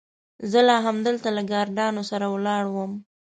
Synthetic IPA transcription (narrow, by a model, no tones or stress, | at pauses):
zəlɑɦamd̪əlt̪alaɡɑɾɖɑnosaɾawlɑɽwəm